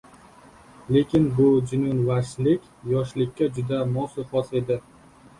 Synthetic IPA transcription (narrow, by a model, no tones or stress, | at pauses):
le̞kʲɪnbʊd͡ʒɪnʊnvaʃlɪkʲjɒʃlɪkʲʰːad͡ʒʊd̪amɒsɪfɒse̞d̪ɪ